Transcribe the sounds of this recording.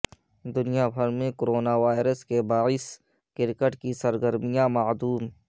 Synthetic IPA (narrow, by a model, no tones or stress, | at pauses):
d̪ʊnijabʱɐɾmẽkoɾoːnaʋaːɪɾəskebaːɪs | kɪɾkəʈkisɐɾɡəɾmijãmad̪uːm